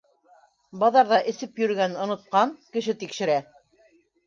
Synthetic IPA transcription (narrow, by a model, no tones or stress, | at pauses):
bɑðɑɾðɑʔɘ̆sɘpjɵ̆ɾɡænŏnŏt̪̚qɑŋkɘ̆ʃɘt̪ikʃɘ̆ɾæ